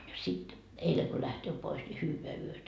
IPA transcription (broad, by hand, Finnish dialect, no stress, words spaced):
jɑ sit eileŋ ko læhtøː pois ni hyːʋeæ yøtæ